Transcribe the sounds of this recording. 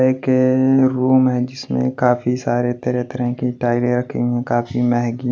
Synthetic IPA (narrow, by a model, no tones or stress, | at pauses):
ekeɾuːmɦɛ̃d͡ʒɪsmḛ̃kaːfisaːɾet̪ɐɾɛt̪əɾəɦkiʈaːɪlẽɾɐkʰḭ̃ɦɛ̃kaːfimɛɦɡi